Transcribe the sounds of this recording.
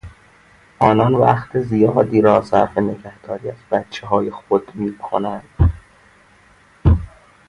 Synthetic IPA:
ʔɒːnɒnvæxt̪ʰezijɒːd̪iːɾɒːsæ̰ɾfene̞ɡæhd̪̥ɒːɾiːæzbæt̪t͡ʃʰːeɦɒːjexod̪miːkʰo̞̰nænd̪̥

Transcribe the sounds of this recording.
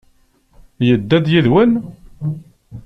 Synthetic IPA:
jəd̪ːæd̪jiðwən

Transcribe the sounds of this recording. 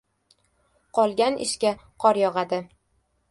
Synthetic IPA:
qʰɒlˠɡʲanɪ̰ʃkʲaqʰɒɾjɒʁɑd̪ɪ

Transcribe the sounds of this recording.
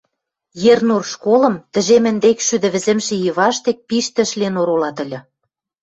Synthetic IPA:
jernurʃkolɤ̆mt̪ə̆ʒemɘ̆nd̪ekʃyd̪ɘ̆βɘ̆zɘ̆mʃĕjəβɑʃt̪ek̚piʃt̪ɘ̆ʃlenoɾolɑt̪ə̆lʲɤ̆

